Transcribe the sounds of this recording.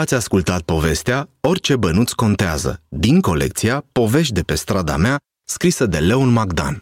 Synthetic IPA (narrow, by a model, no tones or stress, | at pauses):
at̪sʲaskult̪at̪̚po̞ve̞st̪eao̞rʲt͡ʃe̞bənut̪sko̞nt̪eazə̰d̪iŋko̞le̞̰k̚t̪siapo̞ve̞ʃ̬t̪̚d̪e̞pe̞st̪ɾad̪a̰mea | skɾisəd̪e̞le̞onmaɡd̪a̰n